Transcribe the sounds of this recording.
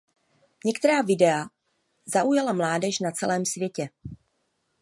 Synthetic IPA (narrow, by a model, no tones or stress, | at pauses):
ɲɛkt̪ɛɾaːvɪdɛa | zaʔujalamlaːdɛʒnat͡sɛlɛːmsvjɛcɛ